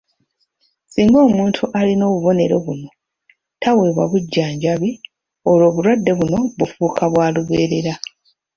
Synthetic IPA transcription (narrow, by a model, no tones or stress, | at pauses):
siːŋɡo̞ːmuːntʰuʔalino̞ːβuβo̞ne̞ɾo̞βuno̞ | tʰaweːβwa̰βuɟːaːɲɟaβi | o̞lo̞ːβuɾwadːe̞βuno̞βufuːkʰaβwaːluβeːɾe̞ɾa